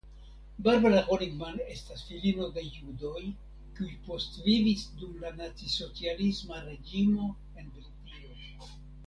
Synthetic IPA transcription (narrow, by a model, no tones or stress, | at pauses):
baɾbalaʁoliɡmane̞stasfilinodejudo̞j | kiujpo̞stvivisdumlanat͡siso̞t͡sialismaɾe̞d͡ʒimo̞ | e̞nbeltio